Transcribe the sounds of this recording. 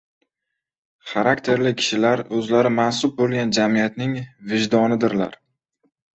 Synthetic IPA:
χaɾakt̪ʰe̞ɾlɪkʲʰɪ̥ʃɪlaɾɵzlaɾɪmansʊb̚bolˠɡʲand͡ʒamijat̪nɪŋvɪʒd̪ɒnɪd̪ɪɾla̰ɾ

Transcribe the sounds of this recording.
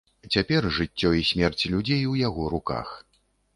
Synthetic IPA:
t͡sʲapʲɛrʐɨt͡sʲːɔisʲmʲɛrt͡sʲilʲud͡zʲejwjaɣɔɾuka̰x

